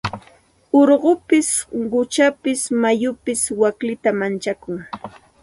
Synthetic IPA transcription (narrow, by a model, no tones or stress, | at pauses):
oɾɢʊpɪsɢʊt͡ʃapɪsmajʊpɪswaklɪt̪amant͡ʃakʊŋ